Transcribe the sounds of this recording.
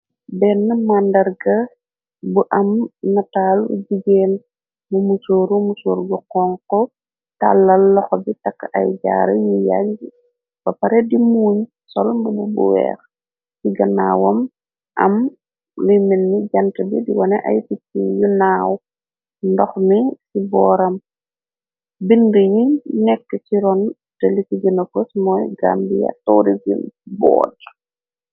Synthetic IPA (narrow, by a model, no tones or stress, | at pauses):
bɛnːəmandɐrɡɐ | buʔɐmnɐtaːlṵɟiɡɛːn | bumusoːɾumusoːɾɡɔqɔŋkɔ | ta̰lːɐlːɔxɔbitɐkːɐ̰jɟa̰ːɾə̰juja̰ɟ | b̥ɐpɐɾɛdimuːɲ | sɔlmbububṵwɛ̰ːx | siɡɐna̰ːwɐm | ʔɐ̰m | lujminːiɟɐntəbidiwɔnɛʔɐ̰jsitːijunaːw | ndɔxnisibɔːɾɐm | bindəjinɛkːət͡ʃiɾɔn | tɛlikiɡinɐkosmɔjɡa̰mbijɐ̰tɔːɾizinbɔ̰ːd